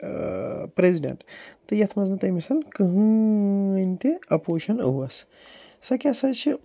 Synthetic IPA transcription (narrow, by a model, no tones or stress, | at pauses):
pɾeziɖɐ̰ɳʈt̪ɨjɐt̪ʰmɐznɐt̪ɐmisɐnkɨɦɨ | nʲt̪iɐpoːʃɐnɐ̰ɦuɐs | sɐkʲɐsɐt͡ʃʰi